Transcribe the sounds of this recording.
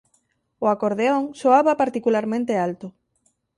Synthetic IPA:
ʊakoɾðeoŋsoaβapaɾt̪ikulaɾmẽnt̪ealt̪ʊ

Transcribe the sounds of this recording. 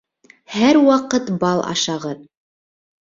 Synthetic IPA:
hæɾwɑqɤt̪bɑlˠʔɑ̰ʃɑʁɤð

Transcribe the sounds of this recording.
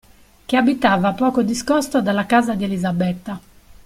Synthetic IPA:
k̟eabit̪aːvapɔːkod̪iskɔst̪od̪alːakaːzad̪ielizabɛt̪ːa

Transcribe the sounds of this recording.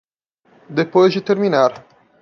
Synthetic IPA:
d̪epoʒit̪eɾminaɾ

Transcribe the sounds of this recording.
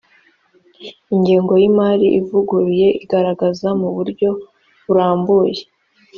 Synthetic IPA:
iɲɟiːŋɡo̞jimaːɾiʔivuɡuɾije̞ʔiɡaɾaɡazamuβuɾɟo̞ | βuɾaːmbuːje

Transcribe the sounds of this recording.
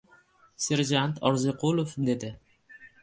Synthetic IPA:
se̞ɾʒant̪ʰɒɾzɪqʰolˠofd̪e̞d̪ɪ

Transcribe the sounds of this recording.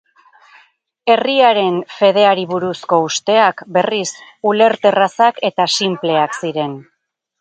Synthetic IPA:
e̞riaɾe̞nfe̞ð̞e̞aɾiβuɾusko̞ust̪e̞akbe̞risule̞ɾt̪e̞rasake̞t̪asimple̞aksiɾe̞n

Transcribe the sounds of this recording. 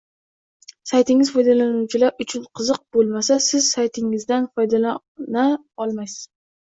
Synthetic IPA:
sajt̪ʰɪŋɪzfɒjd̪alanuwt͡ʃʰɪlaɾʊt͡ʃʰʊnqʰɨzɨq̚bolˠmasasɪzsajt̪ʰɪŋɪzd̪anfɒjd̪ala | na | ɒlˠmajs

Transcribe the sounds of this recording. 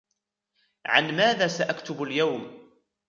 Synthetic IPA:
ʕanmæːðæːsaʔakt̪ʊbʊljawm

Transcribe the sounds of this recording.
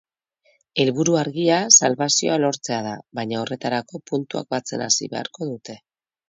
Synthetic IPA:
e̞lβuɾuaɾɣiasalβasio̞̰alo̞ɾt͡se̞að̞aβajɲao̞re̞t̪aɾako̞punt̪ua̰k̚bat͡se̞̰na̰sḭβe̞̰a̰ɾko̞ðut̪e̞

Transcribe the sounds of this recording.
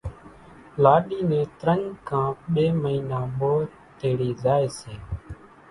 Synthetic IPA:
laːɗiːnẽːt̪ɾəɲkʰãːɓeːməiːnãːɓoː | t̪eːɽiːzaːeːseː

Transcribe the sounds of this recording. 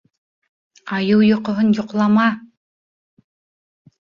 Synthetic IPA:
ɑjɤwjŏqŏɦɤnjŏqlˠɑmɑ

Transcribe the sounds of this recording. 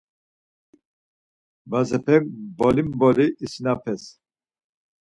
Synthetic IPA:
bazɛpʰɛkbɔlimbɔliʔːsinapʰɛs

